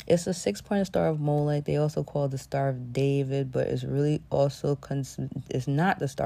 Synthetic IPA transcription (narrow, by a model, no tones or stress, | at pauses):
ʔɨtsðɨsɪkspʰɔ̃ɪ̃tʌstɑ̰ɹʌvmoʊlaɪk̚ðeɪɔlˠsoʊkʰɔlˠd̪̚ðəstɑɹʌvdeɪvɪd̚bʌ̰ɾʔɪ̰tzɹɪlˠiɔlˠsoʊkʰɨ̃nsɪtsnət̪̚ðɨstɑ̰